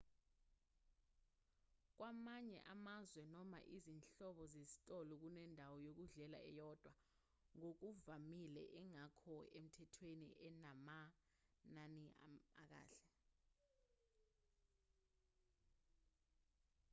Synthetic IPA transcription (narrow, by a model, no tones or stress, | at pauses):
k̬wamaɲɛ̰ʔamazwɛnɔma̰ʔizinɬɔɓɔzezi̥tʼɔlɔk̬unɛndʱawɔjok̬uɮɛla̰ɛjɔd̥ʱwa | ŋok̬uvamilɛ̰ʔɛŋakʰɔem̩tʰɛtʰwenḭʔɛnama | nania̰k̬a̰ːɬɛ